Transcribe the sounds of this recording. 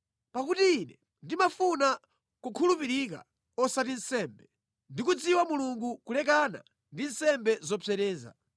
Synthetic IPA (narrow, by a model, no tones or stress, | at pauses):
pakutiːnɛ | ndimafuna | kukʰulupiɾik̬a̰ | ɔsatin̩sɛmbɛ | ndikud͡ziwamuluŋɡukulɛk̬ana̰ | ndin̩sɛmbɛzɔpʰɛɾɛːza̰